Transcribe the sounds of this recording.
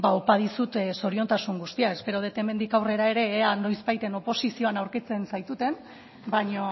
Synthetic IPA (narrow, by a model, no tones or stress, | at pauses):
baopað̞isut̪so̞ɾio̞nt̪asuŋɡust̪iae̞spe̞ɾoð̞e̞t̪e̞me̞nd̪ikawre̞ɾae̞ɾe̞ːano̞jzbajt̪e̞no̞po̞sisio̞anawɾket͡se̞nsajt̪ut̪e̞n | baɲo